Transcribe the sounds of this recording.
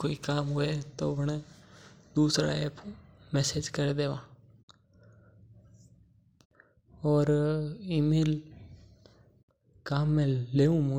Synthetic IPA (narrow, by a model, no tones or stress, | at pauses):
koːiːkaːmɦoːeːt̪oːpnẽːd̪uːsɾa̰ːeːpʰmɛːseːd͡ʒkəɾd̪eːʋãː | ɔːɾiːmeːl | kaːmːɛ̃ːleːũːmʊ̃